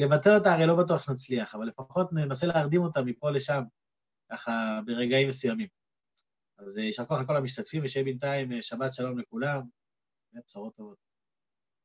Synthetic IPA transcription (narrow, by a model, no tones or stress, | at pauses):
le̞vat̪e̞letaːʁejlo̞bat̬uaχnat͡sliaχavalːe̞faχo̞tnenaseleaʁd̪imo̞tamːipo̞le̞ʃam | kaχabe̞ʁe̞ɡaimːesujamim | azjiʃakoaχako̞lamiʃt̪atfimveʃaibentaimʃabatʃalo̞mlekulam | epsaʁo̞t̪ːovo̞t̪̚